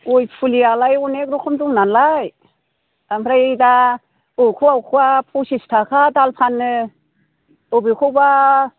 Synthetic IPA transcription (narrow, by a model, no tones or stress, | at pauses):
ojpʰulialajunek̚ɾukʰɔmduŋnanlaj | ampʰɾajejda | owkʰuwawkʰuwapʰosistʰakʰadalpʰanːɯ | obikʰuba